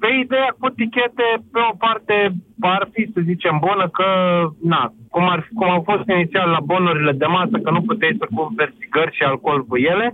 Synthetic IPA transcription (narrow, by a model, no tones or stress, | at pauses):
pe̞id̪e̞jakut̪ikʲe̞t̪e̞peo̞part̪e̞parfisəzit͡ʃembunəkənakumarkumawfo̞st̪init̪sialːabo̞nuɾile̞d̪emasəkənuput̪ejsəkuvert̪iɡərʲʃialko̞lvujele̞